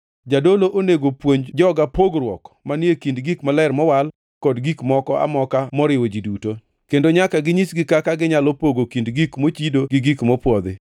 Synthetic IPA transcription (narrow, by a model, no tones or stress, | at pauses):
d͡ʒadoloʔoneɡopwoɲd͡ʒɔɡapoɡɾwɔ̰kmanekindɡikmalɛrmɔwal | kɔdɡikmɔkɔa̰mɔkamɔɾɪwod͡ʒiduto | kendoɲakaɡɪɲisɡɪkakaɡɪɲalɔpoɡokindɡikmot͡ʃidoɡɪɡikmɔpwɔd̪ɪ